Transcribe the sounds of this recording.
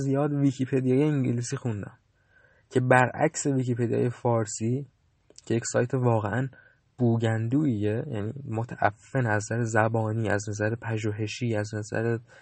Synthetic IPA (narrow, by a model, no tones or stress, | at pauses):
zijɒːd̪vicʰipʰe̞d̪ijɒjeiɲɟiliːsiːxund̪æ̰m | cʰe̞bæɾʔæ̰cse̞viːcipʰe̞d̪ijɒ̰ːjefɒːɾsiː | cʰejecsɒːjt̪ʰevɒːɣeʔæn | b̥uːɟænd̪uːijejæ̰ːniːmot̪ʰæʔæ̰fːenæzzæɾezæbɒːniːæznæzæɾepʰæʒuːɦe̞ʃiːæznæzæ̰ɾe